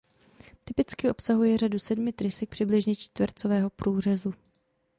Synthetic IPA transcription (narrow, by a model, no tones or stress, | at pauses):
t̪ɪpɪt͡skɪʔo̞psaɦujɛr̝adusɛdmɪt̪ɾɪsɛk̚pr̥ɪblɪʒɲɛt͡ʃt̪vrt͡sovɛːɦo̞pɾuːr̝ɛzu